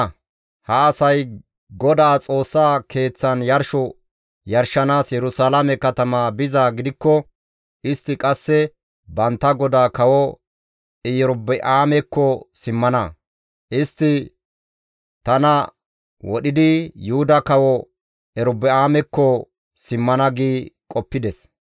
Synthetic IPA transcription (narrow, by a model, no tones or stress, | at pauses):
hɐːsɐj | ɡɔd̪aːt͡sʼo̞ːsːaːkʰe̞ːt͡sːɐnjɐɾʃɔ | jɐɾʃɐnaːsjɛɾʊsaːlamɛkɐt̪ɐmaːbɪzaːɡɪd̪ɪkːɔ | ɪst̪ːɪkʼɐsːɛ | bɐnt̪ːɐɡɔd̪aːkɐwɔ | ɪjɔɾʊbɛʔaːmɛkːɔsɪmːɐnɐ | ʔɪst̪ːɪ | t̪ɐnɐ | wɔɗɪd̪ɪjʊhʊd̪ɐkɐwɔ | ɛɾʊbːɛaːmɛkːɔ | sɪmːɐnɐɡiːkʼɔpːɪd̪ɛs